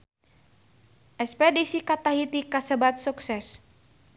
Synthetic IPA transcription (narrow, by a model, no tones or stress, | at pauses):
ʔɛspɛdisikat̪aɦit̪ikasəbat̪̚suksɛs